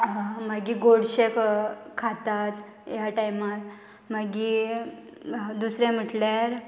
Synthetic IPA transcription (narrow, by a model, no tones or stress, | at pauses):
maɡiɡoɽɕekkʰːat̪at̪ | jaʈajmat̪ | maɡi | d̪usɾẽm̤əʈljaɾ